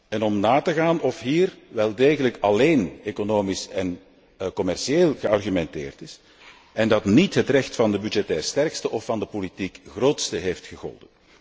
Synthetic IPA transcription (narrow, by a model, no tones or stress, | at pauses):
ɛnɔmnaːtəɣaːnʔɔfɦiːrʋɛlˠdeːɣələkɑleːnekonoːmisɛn | kɔmɛrʃieːlˠɣəɑrɣymɛntɪ̰ːrtɪs | ɛndɑtnitɦətrɛxtfɑndəbydd͡ʒɛtɛːrstɛrkstəʔɔfːɑndəpolitikɣroːtstəɦeːftxəɣɔ̰lˠdən